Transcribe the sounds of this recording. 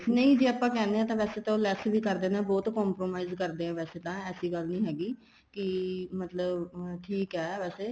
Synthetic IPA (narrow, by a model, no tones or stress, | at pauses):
nəĩːd͡ʒeːəpãːkɛ̃ːnd̪eɛ̃t̪ãːʋɛːseːt̪ãlɛːsbʱiːkəɾd̪eːnẽːbɔːt̪kɔːmpɾoːmaːizkəɾd̪eːãːʋɛːseːt̪ãːɛːsiːɡəlnĩːɦɛːɡiː | kɪmət̪ləbʈʰiːkɦɛːʋɛːseː